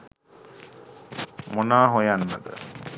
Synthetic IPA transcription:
monaːɦojanːəd̪ə̰

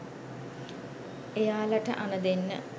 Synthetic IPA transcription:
ejaːlɐʈə̰ʔanəd̪enːə̰

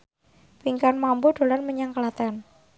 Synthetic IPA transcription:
piŋkanmambud̥o̤lanməɲaŋkəlat̪ɛn

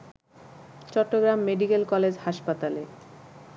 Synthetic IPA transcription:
t͡ɕɔʈːoɡɾamːeɖikelkɔled͡ʑhaʃpat̪ale

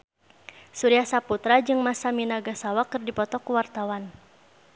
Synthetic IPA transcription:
suɾiasaput̪ɾad͡ʒɨŋmasaminaɡasawakɨrdipɔt̪ɔkuwart̪awan

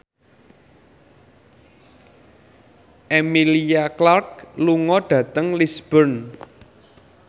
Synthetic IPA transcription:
ʔemiliaklark̚luŋɔɖ̥ä̤t̪əŋlisb̥ərn

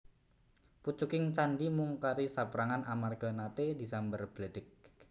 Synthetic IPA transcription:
put͡ʃukɪŋt͡ʃandimuŋkaɾisapɾaŋanʔamarɡ̥a̤nat̪edisambərb̥lədɪk̚

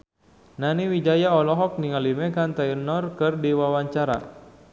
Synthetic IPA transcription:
naniwid͡ʒajaɔlɔɦɔk̚niŋalimɛkant̪ainɔrkɨrdiwawaɲt͡ʃaɾa̰

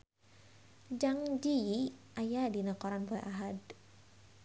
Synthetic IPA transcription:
d͡ʒaŋd͡ʒiʔajadinakɔɾanbɔɛʔaɦad

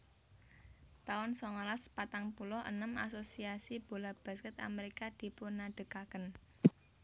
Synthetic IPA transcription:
t̪aʊnsɔŋɔlaspat̪aŋpulʊhʔə̰nəma̰sosiasib̥o̤lab̥a̤skət̪a̰meɾikad̪̥i̤pʊnaɖ̥ə̤kakən

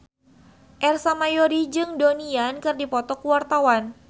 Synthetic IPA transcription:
ʔɛrsamajoɾid͡ʒɨŋdoniankɨrdipɔt̪ɔkuwart̪awan

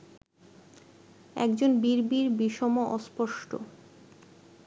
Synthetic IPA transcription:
ɛ̰kd͡ʑonbiɾbiɾbiʃɔmoʔɔspɔʃʈo̰

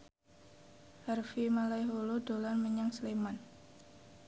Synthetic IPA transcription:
hɛrfimalajɦolodolanməɲaŋsəleman

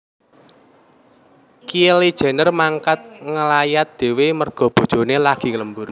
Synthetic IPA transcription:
kielid̥ʒ̥ɛ̤nərmaŋkat̪̚ŋəlajat̪̚d̪̥e̤wemərɡ̥ɔ̤b̥o̤d̥ʒ̥o̤nelaɡ̥i̤ŋləmbur

